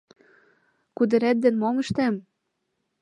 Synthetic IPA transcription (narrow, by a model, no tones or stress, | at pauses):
kud̪ɘ̆ɾæt̪̚d̪ĕnmomə̆ʃt̪æm